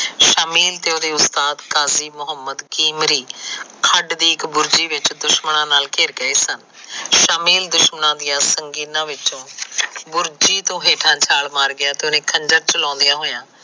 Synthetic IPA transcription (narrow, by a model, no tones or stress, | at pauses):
ʃaːmiːlt̪eːoːd̪eːʊst̪aːd̪kaːziːmʊɦəmːəd̪kiːmɾiːkʰəɖd̪iːɪkbʊɾd͡ʒiːʋɪt͡ʃd̪ʊʃmənãːnaːlkeːɾkəeːsən | ʃaːmiːld̪ʊʃmənãːd̪ɪjãːsəŋɡiːnãːʋɪt͡ʃõːbʊɾd͡ʒiːt̪õːɦeːʈʰãːt͡ʃʰaːlmaːɾɡɪjaːt̪eonẽːkʰəɲd͡ʒəɾt͡ʃəlɔ̃ːnd̪ijãːɦoːjãː